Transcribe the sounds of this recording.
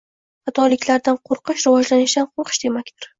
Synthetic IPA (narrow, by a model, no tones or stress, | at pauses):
hat̪ʰɒlɪkʲlaɾd̪anqʰoɾqʰɨʃɾɪvɒd͡ʒlanɪʃd̪anqʰoɾqʰɨ̥ʃd̪̥e̞makʲt̪ɪɾ